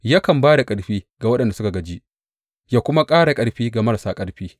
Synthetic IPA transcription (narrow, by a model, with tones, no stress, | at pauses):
ja˦kɐ˨mbaː˦da˨kʼɐ˨ɽɸiː˦ɡa˨wɐ˦ɗɐ˨nda˨sʊ˦ka˨ɡɐ˨d͡ʒi˦ʔ | jaː˦kʷʊ˦ma˦kʼaː˦ɽa˨kʼɐ˦ɽɸiː˦ɡa˨mɐ˦ɾsaː˦kʼɐ˦ɽɸiː˦